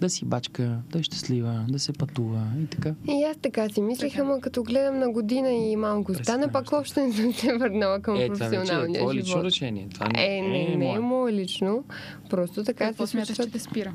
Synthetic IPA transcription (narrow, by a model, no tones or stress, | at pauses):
d̪ɐsibat͡ʃkəd̪ɐʃt̪ɛ̥slivəd̪ɐsɛpɐt̪uvəit̪ɐ̥kaiast̪ɐkasimislixamɐkɐt̪ɔɡlɛd̪ɐmnɐɡod̪inɐimalˠkʊst̪anɐpɐkɔʃt̪ɛnɛsəmsɛvəɾnalˠəkɐmpɾofɛsionalˠniə̰ɔivɔtɾɛʃɛnḭɛ̰t̪ova̰ɛnɛnɛmɔɛlit͡ʃno | pɾɔst̪ot̪ɐkasismɛst̪ɛt̪ɛspiɾə